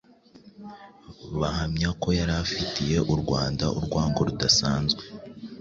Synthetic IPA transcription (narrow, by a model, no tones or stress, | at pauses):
βahamɲako̞jaɾafitije̞ʔuɾɡwaːnda̰ʔṵɾɡwaːŋɡo̞ɾudasaːnzɡwe